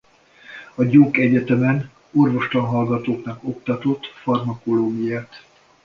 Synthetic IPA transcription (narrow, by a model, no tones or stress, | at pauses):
ɒɟoːkɛɟɛt̪ɛmɛn | o̞rvo̞ʃt̪ɒnɦɒlɡɒt̪oːknɒko̞kt̪ɒt̪o̞t̪ːfɒrmɒko̞loːɡijaːt̪